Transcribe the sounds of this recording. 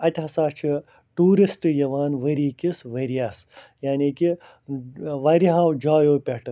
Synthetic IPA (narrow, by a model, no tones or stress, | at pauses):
ɐt̪ʲɦɐsaːt͡ʃʰi | ʈuːɾisʈɨjɐʋaːnʋɐɾiːkisʋɐɾijas | jaːniːki | ʋɐɾiɦaːwd͡ʒaːjoːpʲɐʈɨ